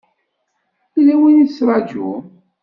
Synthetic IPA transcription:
ilæwinisɾˤɑd͡ʒʊ̰

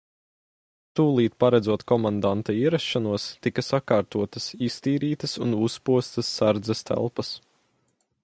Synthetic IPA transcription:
t̪uːlˠiːt̪̚paɾad̪zuɔt̪kɔmand̪ant̪aiɛɾaʃʃanuɔst̪ikɐsakaːɾt̪uɔt̪ɐsist̪iːɾiːt̪ɐsunuspuɔst̪ɐsːaɾd̪zɛst̪ʰæ̰lˠpɐs

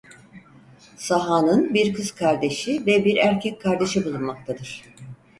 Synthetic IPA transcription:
saɦaːnɯnbiɾkʰɯzkʰaɾd̪e̞ʃivɛbiɾæɾcʰɛcʲkʰaɾd̪e̞ʃɯbulˠunmak̚t̪ʰad̪ɯɾ̥

